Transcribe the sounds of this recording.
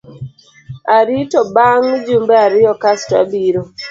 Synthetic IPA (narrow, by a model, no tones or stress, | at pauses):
aɾitɔbaŋd͡ʒumbeaɾɪjɔkasta̰biɾo